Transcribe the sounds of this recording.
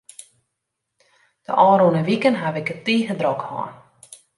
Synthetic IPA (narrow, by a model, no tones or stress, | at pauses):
d̥ə̰ʔɑːɾonəʋikənɦaʋɪkətiːɣədrɔkhɔ̰ːn